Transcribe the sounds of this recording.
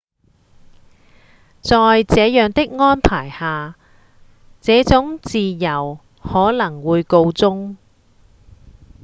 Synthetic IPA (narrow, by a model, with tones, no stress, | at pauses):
t͡sɔː˨˧jt͡sɛː˨˧jœː˨˩ŋt̪ɪ˥k̚ŋɔː˥npʰaː˨˩jhaː˨ | t͡sɛː˨˥t͡sʊ˨˥ŋt͡siː˨jɐ˨˩w | hɔː˨˥lɐ˨˩ŋwuː˨˧jko˧wt͡sʊ˥ŋ